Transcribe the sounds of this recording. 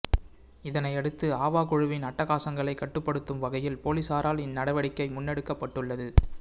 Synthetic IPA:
ɪðɐnɐɪɛɽɯt̪ːɯaːʋaːkʊɻɯʋɪnɐʈːɐɣaːsɐŋɡɐɭɐɪkːɐʈːɯpːɐɽɯt̪ːɯmʋɐɣɐjɪlpoːliːsaːɾaːlɪnːɐɽɐɪʋɐɽɪkːɐɪmʊnːɛɽɯkːɐpːɐʈːɯɭːɐðɯ

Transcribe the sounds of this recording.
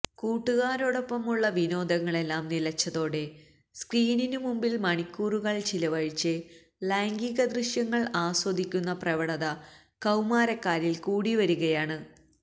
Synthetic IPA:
kuːʈːuɣaːɾo̞ːɽo̞pːɐmuɭːɐʋino̞ːd̪ɐŋːɐɭe̞lːaːmnilɐt͡ɕːɐðo̞ːɽe̞ | skriːninumumbilmɐɳikʲːuːruɣɐɭt͡ɕilɐʋɐɻit͡ɕːɨ | laːŋɡiɣɐd̪riʂjɐŋːɐɭaːswɐd̪ʱikʲːunːɐprɐʋɐɽɐðɐ | kɐwmaːɾɐkːaːɾilkuːɽiʋɐɾuɣɐjaːɳɨ

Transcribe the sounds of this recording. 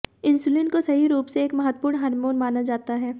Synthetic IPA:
ɪ̃nsulɪnkosɐɦiɾuːpseeːkmɐɦət̪ːpuːɾɳɦɐɾmoːɾmaːnad͡ʒaːt̪aɦɛː

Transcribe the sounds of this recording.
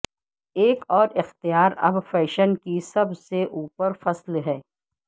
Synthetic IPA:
eːkɔːɾɪxt̪ijaːɾɐ̰bfɛːʃənkisɐbseʔuːpəɾfɐslɦɛː

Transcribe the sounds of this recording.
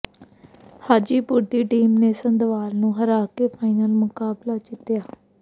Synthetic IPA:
haːd͡ʒiːpʊɾd̪iːʈiːmneːsənd̪ʋaːlnũːɦəɾaːkeːpʰaːinəlmʊkaːblaːt͡ʃɪt̪jaː

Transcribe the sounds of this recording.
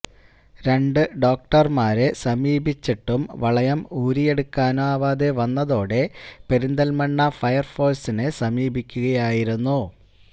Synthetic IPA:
ɾe̞ɳɖɨɖo̞ːk̚ʈɐrmaːɾɨsɐmiːbit͡ɕːiʈːumʋɐɭɐjɐmuːɾijeɽukːaːnaːʋaːd̪eʋɐnːɐðo̞ːɽe̞peɾind̪ɐlmɐɳːɐfɐjɐrfo̞ːsinɨsɐmiːbikʲːuɣɐjaːjiɾunːu

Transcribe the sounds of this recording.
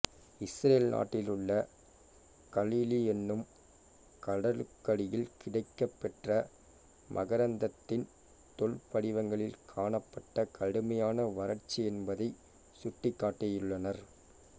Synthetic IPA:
ɪsɾeːlnʔa̰ːʈːɪlɯɭːɐ | kɐliːliɛnːɯm | kɐɽɐlɯkːɐɽɪjɪlkɪɽɐɪkːɐpːɛʈrɐ | mʔɐɣɐɾɐnd̪ɐt̪ːɪn | t̪ɔɭpɐɽɪʋɐŋɡɐɭɪlkʰaːɳɐpːɐʈːɐkʰɐɽɯmɐjaːnɐʋɐɾɐɾt͡ʃːiɛnbɐðɐɪ | sʊʈːɪkːaːʈːɐjʊɭːɐnɐɾ

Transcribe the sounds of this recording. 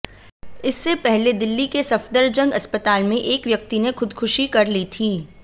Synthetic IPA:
ɪsːepɛɦled̪ɪlːikesɐfd̪əɾd͡ʒɐ̃ŋɡɐspət̪aːlmẽʔeːkʋjɐk̚t̪inexʊd̪xʰʊʃikɐɾlit̪ʰiː

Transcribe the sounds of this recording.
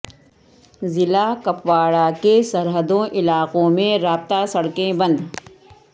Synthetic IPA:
zɪlakɐpʋaːɽakesɐɾɦəd̪õʔɪlaːqõmẽɾaːb̚t̪asɐɽkẽbɐ̃nd̪

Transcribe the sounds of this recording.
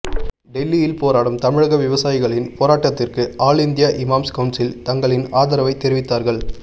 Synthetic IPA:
ɖɛlːijɪlpoːɾaːɽɯmt̪ɐmɪɻɐɣɐʋɪʋɐsaːjɪɣɐɭɪnpoːɾaːʈːɐt̪ːɪrkɯaːɭɪnd̪ɪjɐʔɪmaːmskɐʊnsɪlt̪ɐŋɡɐɭɪnaːðɐɾɐʋɐɪt̪ːɛɾɪʋɪt̪ːaːɾɣɐɭ

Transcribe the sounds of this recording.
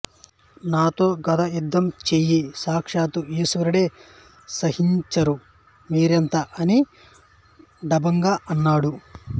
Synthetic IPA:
naːt̪o̞ːɡɐd̪ɐjud̪ːɐmt͡ʃeːjisaːkʂaːt̪uiːsʋɐɾiɽeː | sɐhiɲt͡ʃɐɾu | miːɾent̪ɐʔɐni | ɖɐbɐŋɡaːʔɐnːaːɽu

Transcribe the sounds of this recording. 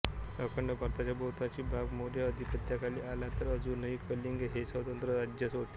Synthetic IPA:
ɾəkʰəɳɖəpəɾt̪at͡ɕjabowt̪at͡ɕiːbʱaɡmoɽjəəd̪ʱipət̪jakaliːʔalat̪əɾəd͡zuːnəɦikʰəliŋɡɦesʋət̪ənt̪ɾəɾad͡ʑjəsɦot̪e

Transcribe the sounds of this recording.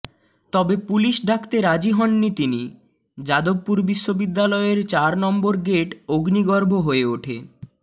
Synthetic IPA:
t̪ɔbepuliʃɖʱakʰt̪eɾad͡ʑiɦɔnːit̪ini | d͡ʑad̪ob̚puɾbiʃːobid̪ːalɔeɾt͡ɕaɾnɔmboɾɡeʈoɡniɡɔɾbʱoɦoeoʈʰe

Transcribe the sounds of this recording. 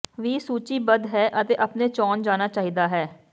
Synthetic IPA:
ʋiːsuːt͡ʃiːbəd̪ɦɛːʔət̪eːʔəpneːt͡ʃɔːnd͡ʒaːnaːt͡ʃaːɦiːd̪aːɦɛː

